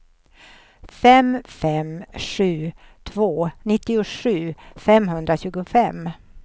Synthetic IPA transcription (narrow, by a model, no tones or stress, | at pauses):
fɛmfɛmʂʉ̟ːt̪ʰvoːnɪt̪ːɪʊʂʉ̟ːfɛmɦɵnd̪ɾaɕʉ̟ːɡʊfɛm